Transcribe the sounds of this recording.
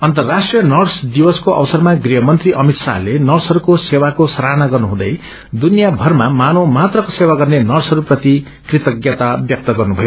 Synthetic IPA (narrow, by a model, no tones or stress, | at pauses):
ʌnt̪ʌrːasʈrijʌnʌrsd̪iwʌskoʔʌ̰wʌsʌrmaɡriɦʌmʌnt̪riʔʌmit̪salenʌrsʌɾukosewakosʌɾanaɡʌrnuɦũd̪ʌ̰j | d̪unijabʱʌrmamanomat̪rʌkosewaɡʌrnenʌrsʌɾuprʌt̪i | krit̪ʌɡjʌt̪abjʌk̚t̪ʌɡʌrnubʱʌjo